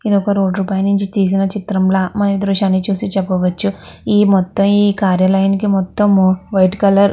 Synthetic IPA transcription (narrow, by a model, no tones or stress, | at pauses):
id̪ɔkɐɾoːɖɾuːpaːjɐnuɲt͡ʃit̪iːs̬inɐt͡ʃit̪ɾɐmlɐmɐnɐʋid̪ɾuʃɐnit͡ʃuːsit͡ʃɛpːɐʋɐt͡ʃːuiːmɔt̪ːɐmiːkaːɾjɐlɐjɐnikimɔt̪ːɐmʋɐjʈkɐlɐɾ